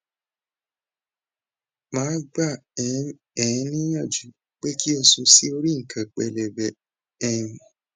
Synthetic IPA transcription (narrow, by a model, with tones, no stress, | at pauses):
mãː˨˦ɡ͡ba˦˨˦ | ɛ̃˨˦nĩ˦jã˦˨d͡ʒu˨˦ | k͡pe˦ki˦ɔ˧sũ˧si˦o˧ɾi˦ŋ̩˨kʰã˨k͡pɛ̰˧lɛ˨bɛ˨˦ | ɛ˦˨jũ˨